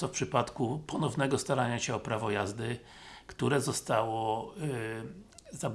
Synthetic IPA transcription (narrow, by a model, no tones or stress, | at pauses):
ɔfpʂɘpat̪kupɔnɔvnɛɡɔst̪aɾaɲaɕɛɔpɾavɔjazd̪ɘ | kt̪uɾɛzɔst̪awɔ | zab